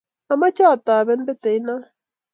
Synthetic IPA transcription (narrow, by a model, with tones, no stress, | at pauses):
a˨ma˦t͡ʃa˦˨t̪aː˨βɛ˦m˦bɛ˦t̪ɛ˨i˦na˦